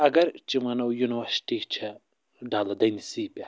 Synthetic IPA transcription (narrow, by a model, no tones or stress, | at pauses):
ɐɡɐɾt͡ʃimɐnɐwjuniwɐɾsʈit͡ʃʰɐ | ɖaːlɐd̪ɐjnisiːpʲa